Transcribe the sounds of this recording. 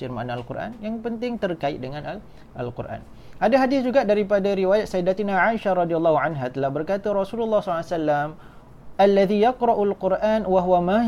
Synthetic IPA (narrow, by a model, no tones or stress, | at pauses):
fɪrmanalkṵrʔa̰njaŋpənt̪ɪŋt̪ərkaɪ̰t̪̚dəŋanal | ʔa̰lqʊ̰rʔa̰n | ʔadaɦadɪsd͡ʒuɡaʔdaɾip̬adaɾiwajat̪̚saidat̪inaʕaiʃaɾˤɔdialːahuʕanɦat̪əlahbərkat̪aɾɔsululːɑhsɔasalːam | ʔalːaðijaqɾɑʔalqʊrʔanwaɦwama